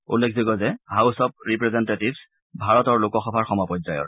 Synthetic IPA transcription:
ṵlːekʰzɔɡɔzɛɦawsɔp̚ɹipɹɛzɛntetibs | bʱaɹɔtɔɹlʊkɔxɔbʱaɹxɔmɔpɔzajɔ̰ɹ

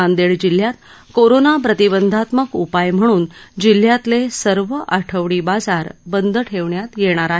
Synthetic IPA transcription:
and̪eɭd͡ʑil̤ːjat̪ | koɾonapɾət̪ibənd̪ʱat̪məkupajm̤əɽ̃uːnd͡ʑil̤ːjat̪lesəɾʋəʔaʈʰəʋɽiːbad͡zaɾbənd̪ʱəʈʰeʋɳjat̪jeɽ̃aɾaɦe

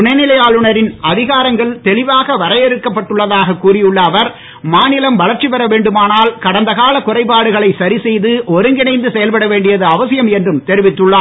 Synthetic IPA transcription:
ʊnɐnɪlɐjaːlɯɳɐɾɪnɐðɪɣaːɾɐŋɡɐɭt̪ɛɭɪʋaːɣɐʋɐɾɐjɛɾɯkːɐpːɐʈːɯɭːɐðaːɣɐkːuːrɪjɯɭːɐːʋɐɾ | maːnɪlɐmʋɐɭɐɾt͡ʃipɐɾɐʋeːɳɖɯmaːnaːlkɐɽɐnd̪ɐɣaːlɐkʊrɐɪpːaːɽɯɣɐɭɐɪsɐɾɪsɛjðɯʔɔɾɯŋɡɪnɐɪnd̪ɯsɛjɐlpɐɽɐʋeːɳɖɪjɐðɯɐʋɐsɪjɐmɛndrɯmt̪ɛɾɪʋɪt̪ːɯɭːaː

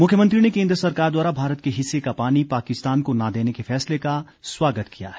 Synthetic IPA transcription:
mʊkʰjəmə̃nt̪ɾinekẽːnd̪ɾəsɐɾkaːɾd̪waːɾabʱaːɾət̪̚keɦɪsːekapaːnipaːkɪst̪aːnkonad̪eːnekefɛːsleka | swaːɡət̪kija̰ɦɛː

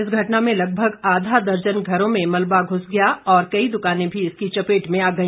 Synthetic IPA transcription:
ɪsɡʱɐʈnamẽlɐɡ̚bʱəɡaːd̪ʱad̪ɐɾd͡ʒənɡʱɐɾõmẽmɐlbaɡʱʊsɡɐjaɔːɾkɐid̪ʊkaːnẽbʱiɪskit͡ʃɐpeːʈmẽaːɡɐi

